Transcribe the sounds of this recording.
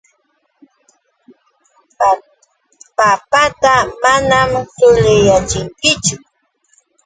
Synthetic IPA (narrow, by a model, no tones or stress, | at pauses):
papat̪amanamsʊlɪjat͡ʃɪŋkɪt͡ʃʊ